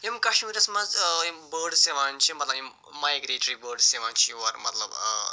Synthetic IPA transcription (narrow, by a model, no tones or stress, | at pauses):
emkɐʂʈmiɾɐsmad͡zbəɾɖseʋant͡ʃʰimɐt̪lɐbi | majɡɾeʈɾibəɾɖseʋant͡ʃʰiwɐɾmɐt̪lɐb